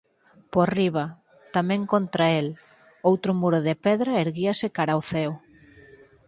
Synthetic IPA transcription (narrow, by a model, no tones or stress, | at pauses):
poriβ̞a | t̪amɛ̃ŋkont̪ɾael | owt̪ɾʊmuɾʊðepɛðɾaeɾɣiasɪkaɾaoθɛw